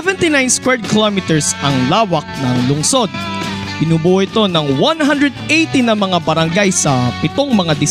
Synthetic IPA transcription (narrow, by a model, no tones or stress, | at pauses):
ɛvɛ̃nt̪inãjnskwɛɹd̪̚kɪlamit̪ɛɹsɐŋlaːwɐk̚nɐŋlʊŋso̞d̪̚b̥ɪnuːbuːʔoʔɪt̪o̞nɐŋwanɦand̪ɾɛd̪̚ejt̪inɐmɐŋabɐɾɐŋɡajsɐpɪt̪o̞ŋmɐŋad̪ɪ